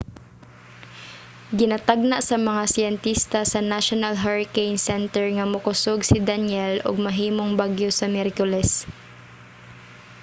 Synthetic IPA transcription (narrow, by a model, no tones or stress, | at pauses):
ɡɪnat̪aɡ̚naʔsɐmɐŋasɛnt̪ist̪asɐnaʃonalɦaɹkejnsɛnt̪ɛɹŋɐmʊkʊsoɡsɪd̪anjɛlʔʊ̰ɡ̚mɐɦiːmoŋbaɡjosɐmɛɾkʊlɛs